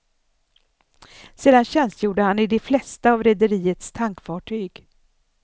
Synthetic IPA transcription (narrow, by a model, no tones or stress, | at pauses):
seːd̪anɕɛnst̪juːɖəhanɪd̪ɛflɛst̪aːvɾɛd̪əɾiːət̪st̪ʰaŋkfɑːʈʰyːɡ